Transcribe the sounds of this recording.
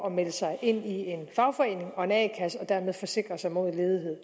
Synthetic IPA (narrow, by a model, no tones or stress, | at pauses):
ɒ̽meləsɑ̈ɪʔe̝n̰ie̝nfɑ̈ʊfɒ̽e̝̰ːne̝ŋɒ̽e̝nɛːɪkʰæsɒ̽d̥æɐ̰með̞ˠfɒ̽se̝ɡ̥ʁɐsɑ̈ɪmo̝ð̞̰ˠle̝ːð̞ˠiɦe̝ð̰ˠ